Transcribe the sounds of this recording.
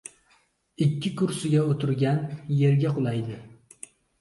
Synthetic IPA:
ɪkʲːɪkʊɾsɪɡʲaot̪ʰɪɾɡʲanjeɾɡʲaqʰolˠajd̪ɪ

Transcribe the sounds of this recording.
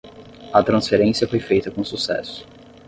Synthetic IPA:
ɐt̪ɾɐ̃sfeɾẽsijɐfojfejt̪ɐkõsusɛ̰sʊ̥

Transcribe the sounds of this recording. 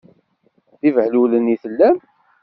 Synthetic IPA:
θivhluləniθəlːæm

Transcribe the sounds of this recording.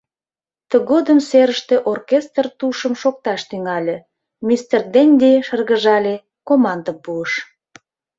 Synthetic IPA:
t̪əɣod̪əmseɾəʃt̪eʔorkest̪rt̪uʃəmʃok̚t̪ɑʃt̪yŋɑlʲe | mist̪erd̪enʲd̪ʲeʃərɣəʒɑlʲe | komɑnd̪əpuəʃ

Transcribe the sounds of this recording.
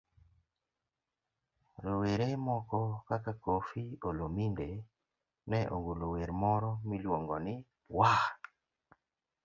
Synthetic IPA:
ɾoweɾemɔkɔkakakofiolominde | nɛʔo̰ŋɡoloweɾmɔɾɔmilwoŋɡɔnɪ | wa

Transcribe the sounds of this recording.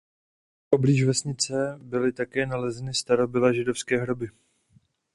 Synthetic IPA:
ʔo̞bliːʒvɛsɲɪt͡sɛbɪlɪt̪akɛːnalɛzɛnɪst̪aɾo̞bɪlaʒɪdo̞fskɛːɦɾo̞bɪ

